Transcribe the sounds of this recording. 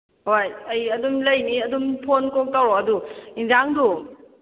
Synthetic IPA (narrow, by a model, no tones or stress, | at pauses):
hojɐjɐdumlɐjniɐdumpʰonkok̚tawɾoɐduinzaŋdu